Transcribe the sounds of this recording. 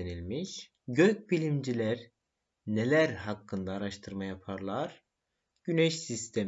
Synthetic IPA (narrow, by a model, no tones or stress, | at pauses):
nilʲmiʃ | ɟøc̚bilʲimd͡ʒilʲæɾ | ne̞lʲæɾɦakːɯnd̪aːɾaʃt̪ʰɯɾmajapʰaɾlˠaɾ̥ | ɟ̥ynɛʃsist̪ʰem